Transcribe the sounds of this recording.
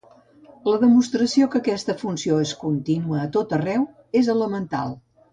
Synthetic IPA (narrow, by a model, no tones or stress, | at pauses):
ləðəmust̪ɾəsiokəkɛst̪əfunsioeskunt̪inuəːt̪ot̪ərɛw | ezələmənt̪a̰lˠ